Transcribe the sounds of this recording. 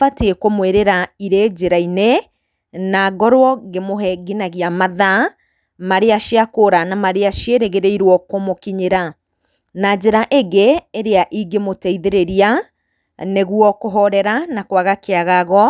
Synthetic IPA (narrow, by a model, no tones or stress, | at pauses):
fateekomweɾeɾaiɾed͡ʒeɾaine | naɡɔɾwɔɡemoɦɛɡinaɣiamaða | maɾeaʃiakoːɾanamaɾeaʃjeɾeɣeɾeiɾwɔkomokiɲeɾa | nad͡ʑeɾaʔeɡeːɾeaʔiɡemotɛiðeɾeɾia | neɣwɔkoɦɔɾɛɾanakwaɣakeaɣaɣɔ